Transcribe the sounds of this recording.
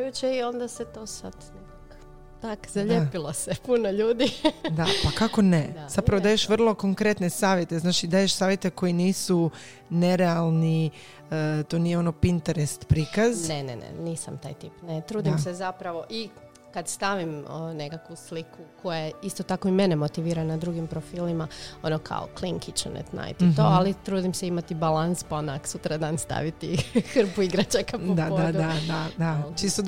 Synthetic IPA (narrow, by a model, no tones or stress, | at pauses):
jut͡ɕeio̞nd̪aset̪osa̰d̪nekak | t̪akzaʎepilˠosepunoʎuːd̪id̪apakako̞nez̥apɾaʋod̪aːjeʃʋr̩lˠo̞ko̞ŋkɾe̞t̪ne̞saːʋjet̪e̞znaːt͡ʃid̪aːje̞ʃsaːʋjet̪e̞ko̞jiniːsu | ne̞ɾealˠni | ət̪o̞nijeo̞nopint̪eɾest̪pɾiːkaznnenḛnḛniːsa̰mt̪a̰ːjt̪ipnet̪ɾuːd̪imsezapɾaʋo̞ʔi | kad̪st̪aʋimnekakʋuslikukʰo̞jeist̪ot̪akoime̞nemo̞t̪iʋiːɾanad̪ɾuɡimpɾo̞fiːlimao̞nokʰa̰o̰kliŋkit͡ʃa̰nḛt̪na̰jt̪it̪oːalit̪ɾuːd̪imseimat̪ibalanspaonaksut̪ɾad̪aːnst̪a̰ʋit̪ixrpuiɡɾat͡ɕakad̪apod̪d̪uad̪ad̪at͡ʃist̪o